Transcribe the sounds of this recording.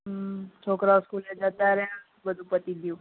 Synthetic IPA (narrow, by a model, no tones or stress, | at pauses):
t͡ʃʰokɾaskuled͡ʒat̪aɾɛa | bəd̪ʱũpət̪id̪jũ